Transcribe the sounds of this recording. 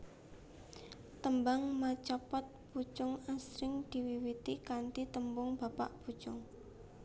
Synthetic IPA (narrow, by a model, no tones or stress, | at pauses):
t̪əmbaŋmat͡ʃɔpɔt̪̚put͡ʃʊŋasɾɪŋd̪̥i̤wiwit̪ikant̪it̪əmbʊŋb̥a̤pa̰ʔb̥ṳt͡ʃʊŋ